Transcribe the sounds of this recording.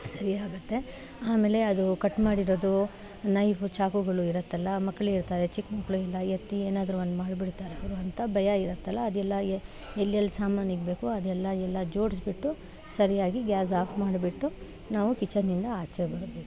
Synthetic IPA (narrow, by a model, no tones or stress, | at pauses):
sɐɾiaːɡut̪ːe̞ | aːmeːle̞ɐd̪ukɐʈːmaːɽiɾoːd̪u | nɐjfut͡ʃaːkuɡɐɭuiɾɐt̪ːɐlːɐmɐkːɐɭeiɾt̪aːɾet͡ʃikːmɐkːɐɭuɛlːɐjet̪ːieːnaːd̪ɐɾuʋɐnd̪maːɖbiɽt̪aːɾeɐʋɾuɐnt̪ɐbɐjɐiɾɐt̪ːɐlːɐːd̪ɛlːɐe | elːijɐlːsaːmaːniɡbe̞ːkuɐd̪ɛlːɐɛlːɐd͡ʒo̞ːɽsbiʈːu | sɐɾijaːɡiɡjaːs̬aːpʰmaːɖbiʈːu | naːʋukit͡ʃːɐɾnind̪ɐaːt͡ʃebɐɾɐbeːku